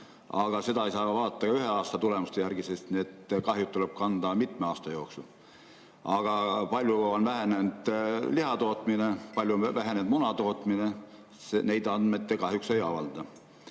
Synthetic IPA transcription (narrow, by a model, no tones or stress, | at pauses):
ɑɡ̥ɑse̞d̪ɑejsɑːvɑːd̪ɑt̪ːˑɑɡ̥ɑyɦeɑːst̪ɑt̪ule̞must̪e̞jærɡ̥isest̪niet̪ːˑkɑɦjut̪ːuleb̥̚kɑnd̪̥ɑmit̪meɑːst̪ɑjo̞ːksu | ɑɡ̥ɑpɑlʲjuonvæɦe̞nend̪̥liɦɑt̪o̞ːt̪ˑminepɑlʲjuvæɦenend̥̪munɑt̪o̞ːt̪ˑmine | sene̞jd̪̥ɑnmet̪ˑːekɑhjuksejɑvɑld̪̥ɑ